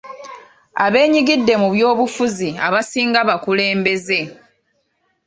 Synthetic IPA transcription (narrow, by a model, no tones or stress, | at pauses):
a̰βe̞ːɲiɡidːe̞muβjo̞ːβufuzia̰βasiːŋɡaβakule̞ːmbe̞ze̞